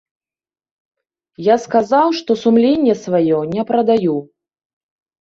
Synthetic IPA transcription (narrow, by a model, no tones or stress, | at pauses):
jaskazawʂt̪ɔsumlʲenʲːɛsvajɔnʲɛpɾɐd̪aju